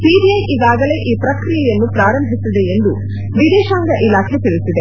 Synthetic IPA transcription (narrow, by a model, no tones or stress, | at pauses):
piːɖiɐjʔiɡaːɡɐle̞ːʔiːpɾɐkɾijɛjɐnːupɾaːɾɐmbʱisid̪eend̪u | ʋid̪ɛːʃaːŋɡɐʔilaːkʰet̪iɭisid̪e